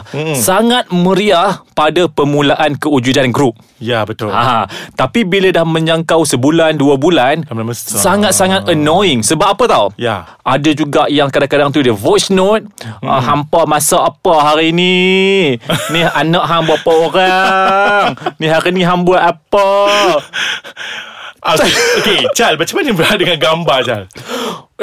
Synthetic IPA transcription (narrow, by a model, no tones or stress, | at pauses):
saŋat̪̚məɾiahpadapəmulaʔankəud͡ʒudanɡɾup̚ | jabət̪aat̪apibilədahmə̃ɲaŋkawsəbulanduabulansaŋat̪̚saŋat̪̚ənoɪŋsəbap̚apat̪awja | ʔadad͡ʒuɡaʔjaŋkadaŋkadaŋt̪udəvosnot̪̚hampamasaʔapaɦaɾiːni | nianaʔɦambuapaoɾa | ŋnĩɦaɾiniɦambuapə | aoket͡ʃalbat͡ʃamanibəɾadəŋanɡambat͡ʃal